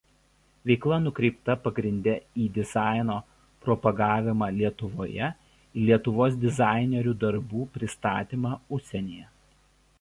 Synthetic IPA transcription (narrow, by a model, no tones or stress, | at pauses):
ʋʲɛɪklˠɐnʊkɾʲɛɪpt̪ɐpɐɡɾʲɪnʲd̪ʲɛiːd̪ʲɪzɑˑɪnoː | pɾɔpɐɡɑːʋʲɪmɑːlʲiɛt̪ʊʋoːjɛ | ilʲiɛt̪ʊʋoːs̬d̪ʲɪzɑˑɪnʲɛɾʲʊd̪ɐɾbuːpʲɾʲɪst̪ɑ̰ːt̪ʲimɑːʊʃʲsʲɛnʲeːjɛ